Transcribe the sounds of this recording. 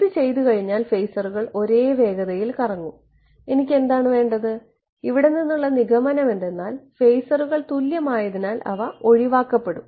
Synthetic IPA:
iðɨt͡ɕe̞jt̪̬ukɐɻiɲːaːlfejsɐruɣɐɭo̞ɾe̞ːʋe̞ːɡɐðɐjilkɐrɐŋːu | e̞nikʲːe̞nd̪aːɳɨʋe̞ːɳɖɐðɨ | iʋiɽe̞ninːuɭːɐniɣɐmɐnɐme̞nd̪e̞nːaːlfe̞jsɐruɣɐɭt̪uljɐmaːjɐðinaːlɐ̰ʋɐo̞ɻiʋaːkːɐpːe̞ɽum

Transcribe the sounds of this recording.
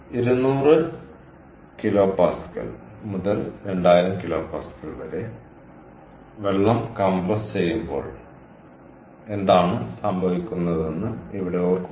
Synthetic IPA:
iɾunːuːrɨ | kilo̞ːpaːsi̥kːɐ̰lmuðɐlɾe̞ɳɖaːjiɾɐmkilo̞ːpaːsi̥kːɐɭʋɐɾe̞ | ʋe̞ɭːɐmkɐmbɐst͡ɕe̞jːumbo̞ːɭ | e̞nd̪aːɳɨsɐmbʱɐʋikʲːunːɐðe̞nːɨiʋiɽe̞o̞ːrk

